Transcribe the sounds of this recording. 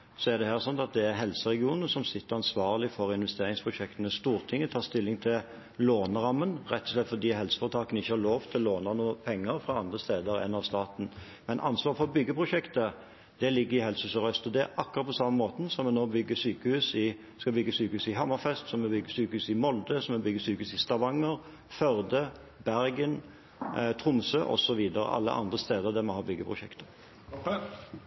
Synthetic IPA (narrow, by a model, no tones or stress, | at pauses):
sɔæd̪ɛhæːʁsɔnt̪ɑt̪̚d̪ɛæɾɦɛlsəɾɛɡɪuːnnəsɔmsɪt̪ːəɾɑnsʋɑːʁlɪfɔɾɪnʋɛst̪eːɾɪŋspʰɾʁʊɕɛkt̪ənəst̪uːʁt̪ʰɪŋːət̪ʰɑːʁst̪ɪlːɪŋt̪ʰɪl | loːnəɾɑmːənɾɛt̪ːɔslɛt̪fɔd̪iːɦɛlsə̥fɑɾt̪ʰɑːkənɪçːəhɑɾloːʋt̪ʰɪllːoːnənuːəpʰɛŋːəɾfʁɑɑnd̪ʁəst̪eːd̪əɾɛ̰nːɑʋst̪ɑːt̪n̩ | mɛnʔɑ̰nsʋɑːʁfɔɾbʏɡːəpʰɾʊʃɛkt̪ə | d̪̥ɛlɪɡːəɾɪhɛlshʉːsɔɾœst̪ɔd̪ɛæʔɑkːʊɾɑt̪pʰɔsɑmːəmoːt̪n̩sɔmɛnoːbʏɡːəsyːkəhʉːsɪ | skɑbʏɡːəsyːkəhʉːsɪɦɑmːɑfɛst̪sɔmɛbʏɡːəsyːkəhʉːsɪmɔld̪əsɔmɛbʏɡəsyːkəhʉːsɪst̪ɑʋɑŋːəɾ | fœʁd̪ə | bæɾɡən | t̪ʰɾʊmsøːʔɔ̰sɔʋiːd̪əɾə̰ʔɑ̰lːə̰ʔɑ̰nd̪ʁəst̪eːd̪əʁd̪æmɔhɑːbʏɡːəpʰɾʊʃɛkt̪ə̥